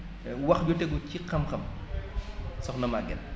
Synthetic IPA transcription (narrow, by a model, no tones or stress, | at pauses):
wɐxɟutɛɡucikɐmxɐm | sɔxnɔmaɡɛn